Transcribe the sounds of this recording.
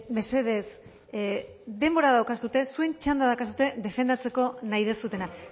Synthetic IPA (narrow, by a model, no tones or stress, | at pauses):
me̞se̞ðe̞s | d̪e̞mbo̞ɾaðawkasut̪e̞sue̞nt͡ʃand̪aðakas̬ut̪e̞ðe̞fe̞nd̪at͡se̞ko̞naiðe̞sut̪e̞na